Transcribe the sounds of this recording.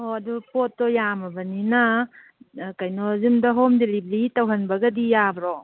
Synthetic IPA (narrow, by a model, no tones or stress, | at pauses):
oɐdupotːɔjamɐbɐnina | kajnɔzumdɐɦomdelibɾitawɦɐnbɐɡɐdijabɾo